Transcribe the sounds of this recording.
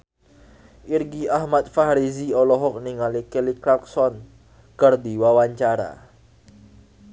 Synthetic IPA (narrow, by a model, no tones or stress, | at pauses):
ʔirɡiahmat̪̚faɾiziɔlɔɦɔk̚niŋalikelikɾak̚sɔn | kərd̪iwawaɲt͡ʃaɾa̰